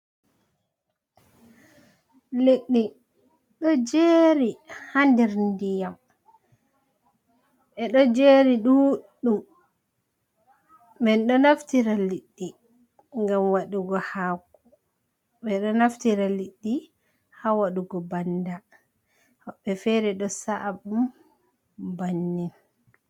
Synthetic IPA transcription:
leɗːi | ɗɔd͡ʒeːɾihandɛɾndijam | ʔɛɗɔd͡ʒeɾiɗuɗːum | bɛnɗɔnaftiɾaliɗːi | ŋɡamwaɗuɡɔhaːku | ɓɛɗɔnaftiɾaliɗːi | hawaɗuɡɔbanda | hɔɓːɛfɛɾɛɗɔsaʔbum | banːin

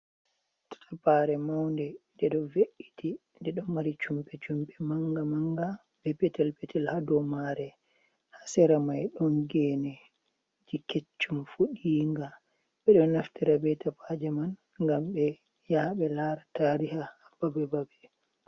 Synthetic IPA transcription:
tḁtapaɾɛmawndɛndɛɗɔveʔiti | ndɛɗɔnmaɾit͡ʃumpɛt͡ʃumpɛmaŋɡamaŋɡa | bɛpɛtɛlpetɛlhadɔmaɾɛ | hasɛɾamajɗɔnɡɛːnɛ | d͡ʒiket͡ʃːumfuɗiŋɡa | ɓɛɗɔnaftiɾabɛtapʰad͡ʒɛman | ŋɡambɛ | jaɓɛlaɾataɾihahababɛbabɛ

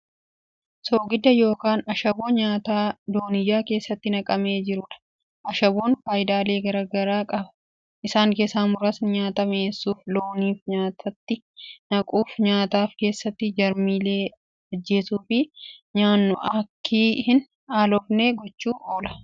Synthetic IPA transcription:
soːɡɪd̪ɐjo̞ːkaːnɐʃɐboːɲaːt̪aːd̪o̞ːnɪd͡ʒaːke̞ːsːɐt̪ːɪnɐkʼɐme̞ːd͡ʒɪɾʊᶑɐ̥ | ʔɐʃɐboːnfaːjɪd̪aːle̞ːɡɐɾɐɡɐɾaːkʼɐbɐ̥ | ʔɪsaːŋkeːsaːmʊɾɐsnɪɲaːt̪ɐmeːsːuːflo̞ːniːfɲaːt̪ʰɐt̪ːɪ | nɐkʼuːfɲaːt̪aːfke̞ːsːɐt̪ːɪd͡ʒɐɾmiːle̞ː | ɐd͡ʒːe̞ːsuːfɪɲaːnːʊʔɐkʰːiːhɪn | aːlɔbne̞ːɡɔt͡ʃːuːʔoːlɐ̥

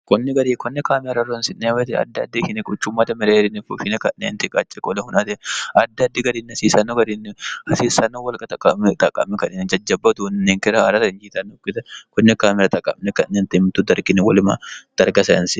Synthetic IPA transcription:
kɔnːɛɡɐɾikɔnːɛkaːmɪɾɐrːonsɪnːewɛt̪ɪɐ̰d̪ːɐd̪ːekɪnɛkʼʊt͡ʃːʊmːɐt̪ɐmɛɾeːɾɪnːɛfʊʃɪnɛkɐnːḛnt̪ɪkʼa̰t͡ʃʼːɛkʼɔlɛhʊnɐt̪ɛʔɐd̪ːɐd̪ːɪɡɐɾiːnːɐsiːsɐnːoɡɐɾinːɛhɐsiːsɐnːoːwɐlkʼɐt̪ɐkʼɐmɛt̪ʼɐkʼːɐ̰mːɛkɐnɪnd͡ʒɐd͡ʒːɐbːɐt̪ʊnnːeːŋkɪɾɐːɾɐt̪ɐɪnd͡ʒiːt̪ɐnːʊkːɪt̪ɐkɔnːɛkaːmɛɾɐt̪ʼɐkʼːɐmnɛkɐnːent̪ɪmɪt̪ːʊd̪ɐɾɡɪnːɛwɔlɪma̰d̪̥ɐɾɡɐsɐɪnsɪ

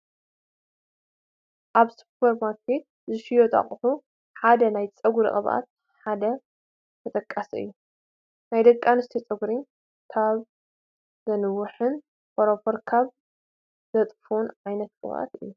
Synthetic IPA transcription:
ʔaβsu̥pwɐɾmaɾkʰet̪̚ | zɨʃijot̪ʼa̰χʼħu | ħad̪ɐnajt͡sʼɐɡɾɨ̰kʼɐβʔa̰t̪̚ | ħad̪ɐ | t̪ʰɐt̪ʼɐkʼːasiɨ̰jːu | najd̪ɐkʼːanɨst̪ʰit͡sʼɨɡɾi | kʰaβ | zɐnɨwːʊħɨn | fʰoɾofoɾkʰaβ | zɐt̪ʼfunʕajnɐt̪kʼɨ̰βa̰t̪ɨ̰jːu

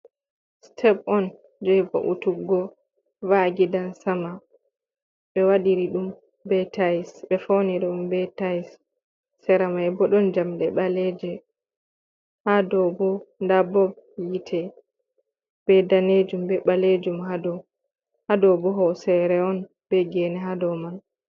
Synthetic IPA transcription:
stʰɛbɔn | d͡ʒɔjbɔ̰ʔutuɡɔ | vaɡidansama | ɓɛwaɗiɾiɗum | bɛtaisɓɛfɔniɾiumbɛtaisː | ɛɾamajɛbɔɗɔnd͡ʒamɗɛɓalɛd͡ʒɛ | hadɔbɔndabɔb | jitʰɛ | b̥ɛdaned͡ʒumbɛɓaled͡ʒumhadɔ | hadɔbɔɦɔsɛɾɛɔn | b̥ɛɡɛnɛɦadɔman

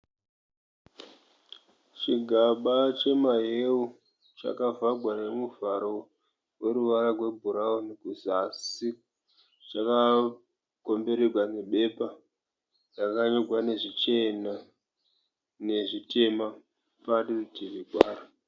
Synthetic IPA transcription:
t͡ʃiɡʱaɓat͡ʃe̞maɦeu | t͡ʃa̰kavaɡʱwane̞muvaɾo̞ | we̞ɾuʋaɾaɡwe̞bʱuɾaonekuzasi | t͡ʃaka | ko̞mbe̞ɾerwane̞ɓe̞pa | rakaɲoɡʱwane̞ʐit͡ʃena | ne̞ʐite̞ma | patirutiriɡʱwaːra

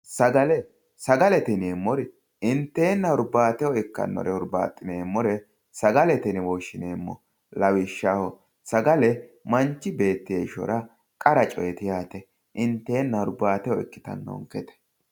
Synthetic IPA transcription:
sɐɡɐlɛ | sɐɡɐlɛt̪ɪneːmːɔɾɪ | ɪnt̪ːeːnːɐɔɾbaːt̪ɛwɔɪkːɐ̰nːɔ̰ɾɛʊɾba̰ːt̪ʼːɪneːmːɔɾɛ | sɐɡɐlɛt̪ɪnɪwoːʃːɪneːmːɔ̰ | lɐwɪʃːahɔ | sɐɡɐlɛmɐnt͡ʃːɪbe̞ːt̪ːɪjeʃɔ̰ɾɐ | kʼɐɾɐt͡ʃʼɔjɛt̪ɪjaːt̪ɛ | ʔɪnt̪ːe̞ːnːɐɔɾbaːt̪ɛjɔɪkːɪ̥t̪ɐ̰nːɔ̰ŋkɛt̪ɛ̥

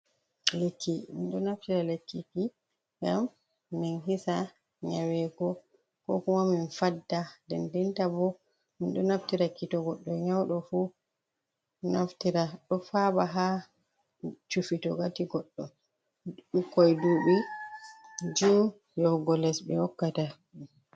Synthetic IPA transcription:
lekʰːimḭnɗɔnaftiɾalekːiki | ŋɡa̰m | mːinɦisa | ɲawɛɡɔ | kɔ̰kumaminfadːadɛndintabɔ | minɗɔnaftiɾakitɔɡɔɗːɔɲawɗɔfu | naftiɾaɗɔfaɓaɦa | t͡ʃufitɔɡatiɡɔɗːɔ̰ | ɗukːɔjduːɓi | d͡ʒu | jɔɡɔlɛsbɛ̰wɔkːata

